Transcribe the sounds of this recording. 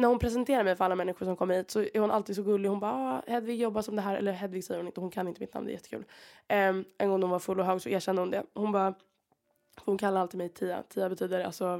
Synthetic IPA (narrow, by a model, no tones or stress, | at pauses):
næɾhʊnpʰɾɛs̬ɛnt̪ʰeːɾaɾmɛjfœɾalːamɛnːɪɧʊɾʂɔmkʰɔmːəɾhiːt̪sɔæɾhʊnʔaliːd̪sɔɡɵlːɪhʊnbɑːɑːhɛd̪vɪɡjɔbːaʂɔmd̪ɛɦæːɾɛ̰lːəɦɛd̪vɪɡsɛjːəɾhʊnɪnt̪əhʊnkʰanːɪnt̪əmɪt̪na̰md̪ɛ̰jɛt̪ːə̥kʰʉ̰ːl | ʔɛnɡɔŋnhʊnvaɾfɵlːɔɦœːɡsɔeːɕɛnd̪əhʊnd̪ɛhʊnbɑː | fɔhʊnkʰalːaɾalt̪ʰɪlmɛjt̪ʰiːa̰t̪ʰiːabɛt̪ʰyːd̪əɖɛa̰lsɔ